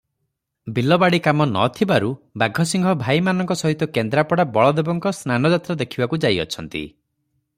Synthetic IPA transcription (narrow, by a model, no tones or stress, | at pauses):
bilɔbaɽikamɔnɔ̰t̪ʰibaɾubaɡʱɔsiŋɡʱɔbʱajmanɔŋkɔsɔɦit̪ɔkend̪ɾapɔɽabɔɭɔd̪ebɔŋkɔsnanɔd͡ʒat̪ɾɔd̪ekʰibakud͡ʒajɔ̰t͡ʃʰɔnt̪ḭ